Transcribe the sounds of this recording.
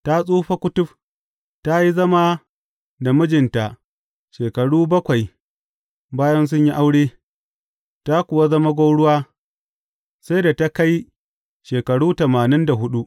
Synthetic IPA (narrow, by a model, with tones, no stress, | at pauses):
ta˦sʼuː˦ɸa˦kʷʊ˦tʊ˦ɸ | ta˦ji˦zɐ˦ma˦ | da˨mʊ˦d͡ʒɪ˨nta˨ʔ | ʃeː˨kɐ˨ɽuː˦bɐ˦kʷa˨j | baː˦jɐ˦ns̬ʊ˦ɲji˦ʔa˦wɽeː˦ | ta˦kʷʊ˨wa˦zɐ˦ma˦ɡʷoː˦ɽʊ˦waː˦ | sa˦jda˨ta˦ka˦j | ʃeː˨kɐ˨ɽuː˦tɐ˨maː˨nɪ˦nda˨ɦʊ˦ɗu˦ʔ